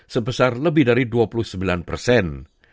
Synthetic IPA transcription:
səbəsarləbɪhdaɾiduapuluhsəmbilanpərsɛn

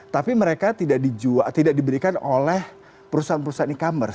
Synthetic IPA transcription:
t̪apiməɾekat̪idaʔdid͡ʒuat̪idaʔ̚dibəɾikanolɛh | pəɾusaanpəɾusaanikamərs

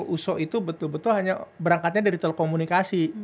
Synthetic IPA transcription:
ʔusɔʔit̪ubət̪ʊlbət̪ʊlɦaɲabəɾaŋkat̪ɲadaɾit̪elekomunikasi

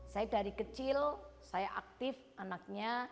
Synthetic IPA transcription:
sajadaɾikət͡ʃɪlsajaʔak̚t̪ɪf | anak̚ɲa

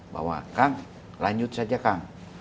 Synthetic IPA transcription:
ba̰wa̰kaŋ | laɲd͡ʒut̪̚sad͡ʒakaŋ

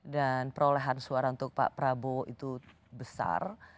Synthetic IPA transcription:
danpəɾoleɦansuaɾaunt̪ʊk̚pa̰ʔpɾaboit̪u | bəsa̰r

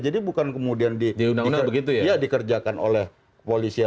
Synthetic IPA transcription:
d͡ʒadibukankəmudiandidiunaŋiunabəɡit̪̬ujajadikərd͡ʒakanʔo̰lɛh | polisia

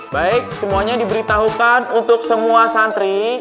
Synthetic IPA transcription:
baɪk̚səmuaɲadibəɾit̪aɦukanunt̪ʊksəmuasant̪ɾi

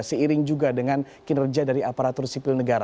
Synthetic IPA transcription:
səiɾɪŋd͡ʒuɡadəŋan | kinərd͡ʒadaɾiapaɾat̪ʊrsipɪlnəɡaɾa

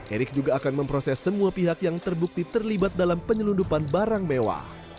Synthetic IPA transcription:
ʔeɾɪk̚d͡ʒuɡaːkanməmpɾosɛsːəmuapiɦakjaŋt̪ərbuk̚t̪it̪ərlibat̪̚dalampəɲəlundupanbaɾaŋmewa̰

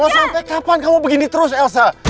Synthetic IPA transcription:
masampajkapankamubəɡinit̪əɾʊs̬ɛlsa

